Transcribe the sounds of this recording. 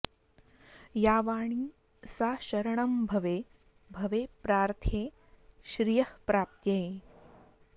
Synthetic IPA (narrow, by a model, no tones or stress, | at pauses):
jaːʋaːɳ̃iː | saːʃɐɾɐɳɐmbʱɐʋeː | bʱɐʋeːpɾaːɾt̪ʰjeː | ʃɾijɐhpɾaːp̚t̪jɐ